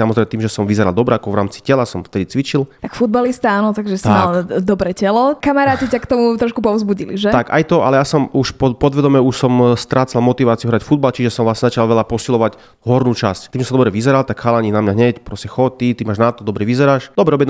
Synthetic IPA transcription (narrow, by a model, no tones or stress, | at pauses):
samɔzɾɛɪmɛt̪iːmʒɛsɔmʋizɛɾald̪ɔbɾɛakɔʋɾaːmt͡si̥cɛlasɔmft̪ɛd̪it͡sʋit͡ʃilt̪akfud̪balist̪aaːnɔt̪aɡʒɛsimald̪ɔbɾɛːcɛlɔkamaɾaːcicakt̪ɔmut̪ɾɔʃkupɔvzbuɟilḭʒɛt̪aka̰jt̪ɔʔa̰lɛjasɔmuʃpɔpɔd̪ʋɛd̪ɔmɛuʃsɔmst̪ɾaːt͡salmɔt̪iʋaːt͡siuɦɾacfud̪balt͡ʃiʒɛsɔmʋlasɲɛzat͡ʃalʋɛʎapɔsilɔʋaɟ | ɦɔɾnuːt͡ʃasct̪iːmʒɛsd̪ɔbɾɛʋizɛɾalt̪akxalaɲinamɲaɦɲɛcpɾɔscɛxɔt̪it̪imaːʒnat̪ɔd̪ɔbɾɛʋizɛɾaːʃd̪ɔbɾɛɔbjɛ